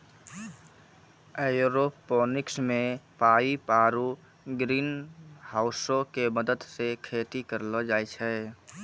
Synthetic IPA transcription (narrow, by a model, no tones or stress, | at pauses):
ejuɾopːoːnɪksmẽpaːipaːɾu | ɡɾiːnhaːʊsõkeməd̪əd̪sekʰeːt̪ikəɾlɔd͡ʒaːjt͡ʃʰɛ